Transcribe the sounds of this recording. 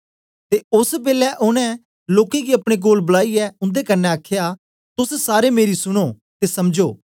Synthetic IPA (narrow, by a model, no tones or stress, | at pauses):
t̪eːʊsbeːlɛʔʊñɛ̃ | loːkẽːɡiːɐpɽ̃eːk̬oːlbəlaːiːɛːʊnd̪eːkənːɛəkʰjaː | t̪ʊssaːɾemeːɾisʊɽ̃oː | t̪eːsɐmd͡ʒoː